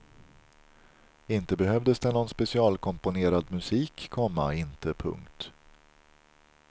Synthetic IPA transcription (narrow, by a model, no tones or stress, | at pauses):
ɪnt̪əbɛhœvd̪əsd̪ɛnɔnspɛsɪɑːlkʰɔmpʊneːɾad̪mɵsiːkʰːɔmːaɪnt̪əpʰɵ̰ŋkt̪